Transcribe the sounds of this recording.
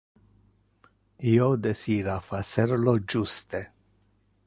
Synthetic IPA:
iːod̪esiːɾafaseɾlod͡ʒust̪e

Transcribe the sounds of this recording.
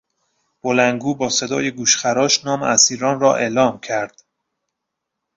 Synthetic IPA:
b̥olæŋɡuːbɒːse̞d̪ɒ̰ːjeɡuːʃχæɾɒːʃnɒːmeæsiːɾɒːnrɒːʔe̞ːlɒːmcʰæɾd̪̥

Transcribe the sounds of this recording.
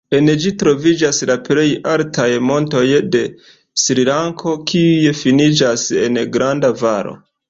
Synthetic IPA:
e̞nd͡ʒitɾo̞vid͡ʒaslaple̞jaltʰajmo̞nto̞jde̞ | sɾilaŋkʰo̞kʰiujefinid͡ʒase̞̰nɡɾandavaɾo̰

